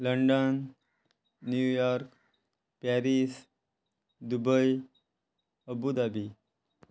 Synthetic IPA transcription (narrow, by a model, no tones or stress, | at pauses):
ləɳɖənː | jujɔɾk | paɾis | d̪ubəj | əbud̪abi